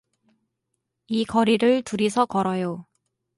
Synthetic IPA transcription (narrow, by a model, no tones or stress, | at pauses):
ikʌɾiɾɯɭtuɾisʰʌkʌɾʌjo